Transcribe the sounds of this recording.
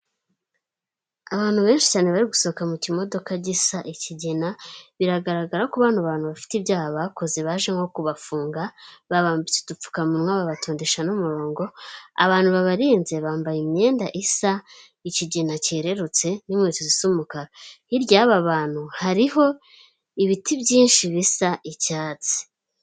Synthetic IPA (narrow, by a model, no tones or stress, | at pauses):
aβaːn̥huβe̞ːnʃi̥caːneβaɾiɡusoβokamucimo̞do̞kaɟisaʔiciɟenaβiɾaɡaɾaɡaɾakuβaːnuaβaːn̥huβafi̥tibjaːhaβako̞ze̞βaʒeŋo̞kuβafuːŋɡaβaβaːmbit͡sedup͡fu̥kamunŋwaβaβatoːndeʃanumuɾo̞ːŋɡo̞a̰βaːn̥huβaβaɾiːnze̞βaːmbajimɲe̞ːndaʔisa | iciɟenaceɾe̞ɾut͡se̞nimŋeːtuzisumukaɾa | iɾjaːβaβaːn̥huhaɾiho̞ | iβitiβɟiːnʃiβisaʔicaːt͡se̥